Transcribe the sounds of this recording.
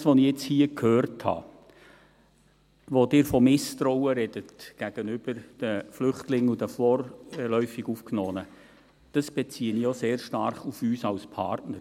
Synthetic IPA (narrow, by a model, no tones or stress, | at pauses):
sʋoniɛt͡shiːəkʰhøːɾthɑ̰ː | ʋod̥ɪːɾfɔmɪst̪ɾɔwəɾɛd̥ətɡ̥æɡ̥ənʏb̥əɾd̥əflʏχtlɪŋudəfɔːrlœʏfiɡufknɔːnə | d̥əsb̥ɛt͡siːənijoseːrʃtɑrχufyːsɑlspʰɑ̰ɾtnəɾ